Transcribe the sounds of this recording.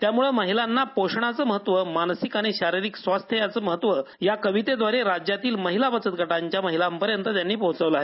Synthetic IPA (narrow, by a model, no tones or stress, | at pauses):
t̪jamuɭəməɦilanːapoʂɳ̃at͡səːməɦət̪ʋəmansikaɽ̃iɕaɾiɾiksʋast̪ʰjəjat͡səməɦət̪ʋəjakəʋit̪ed̪ʋaɾeɾad͡ʑjat̪iːlməɦilabət͡sət̪̚ɡʱəʈaɲt͡ɕjaməɦilampəɾjənt̪ət̪janːiːpəɦũt͡səʋləaɦe